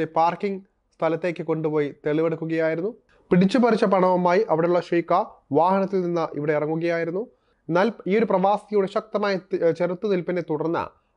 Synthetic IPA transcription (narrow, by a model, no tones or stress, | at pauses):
epaːrkiŋ | st̪ʰɐlɐt̪ːe̞ːkʲːɨko̞ɳɖupo̞ːjit̪e̞ɭiʋeɽukːuɣɐjaːjiɾunːu | piɽit͡ɕːupɐrit͡ɕːɐpɐɳɐʋɐmaːjiʔɐʋiɽeuɭːɐʂijkːaʋaːɦɐnɐt̪ːilninːɨʔḭʋiɽe̞irɐŋːuɣɐjaːjiɾunːu | e̞nːaːliːo̞ɾuprɐʋaːsijuɽeɕɐk̚t̪ɐmaːjɐt͡ɕerut̪ːɨnilpinːet̪uɽɐrnːɐ̰